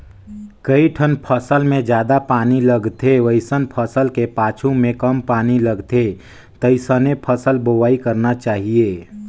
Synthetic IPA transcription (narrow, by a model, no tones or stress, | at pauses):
kəiʈʰənpʰəsəlmẽd͡ʒjaːd̪apaːniləɡt̪ʰeʋəɪsənpʰəsəlkepaːt͡ʃʰumẽkəmpaːniləɡt̪e | t̪əɪsənepʰəsəlboʋaːikəɾnat͡ʃaːɦieː